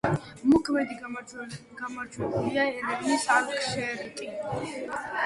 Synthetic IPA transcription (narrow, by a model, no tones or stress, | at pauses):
mukʰmɛd̪i | ɡ̥amaɾd͡ʒwɛbuliaɛɾɛɡnisaɾkʰʼʃɛɾt̪ʼi